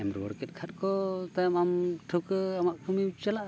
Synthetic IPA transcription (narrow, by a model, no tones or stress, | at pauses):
ɛmɾwɔ̰ɾkɛt̪̚kʰat̚kɔt̪ajamamʈʰəwkəamaʔkʰumiut͡ʃalaʔ